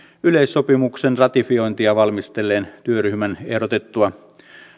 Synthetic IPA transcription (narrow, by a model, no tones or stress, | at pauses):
yle̞isːo̞pimuksenrɑt̪ifio̞jnt̪iɑʋɑlmist̪e̞lːeːnt̪yøɾyhmæne̞hɾot̪et̪ːuɑ